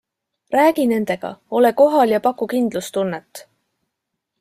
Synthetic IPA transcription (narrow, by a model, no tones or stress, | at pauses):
ræːɡ̥ine̞nd̪̥e̞ɡ̥ɑ̰o̞le̞ko̞ɦɑljɑpɑkːukind̪̥lust̪unːet̪ːˑ